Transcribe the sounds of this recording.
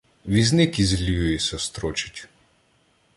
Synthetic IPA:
ʋiznɪkizlʲujjisʲɛst̪ɾɔt͡ʃɪ̥tʲ

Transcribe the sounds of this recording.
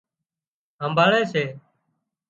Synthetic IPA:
ɦəmbʱaːɭeːseː

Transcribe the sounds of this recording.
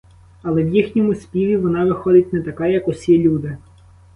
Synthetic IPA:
ɐlˠɛʋjixnʲɔmʊsʲpʲiʋʲiʋɔnɑʋɪxɔd̪ɪt̚ʲnɛt̪ɐkɑjɐkɔsʲilʲud̪ɪ

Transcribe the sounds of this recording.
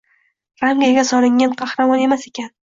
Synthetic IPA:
ɾamɡʲaɡʲasɒlɪŋːanqʰɑhɾamɒne̞mase̞kʲan

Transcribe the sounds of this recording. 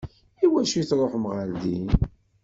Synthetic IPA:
iwæʃiθɾˤoħmʁəld̪in

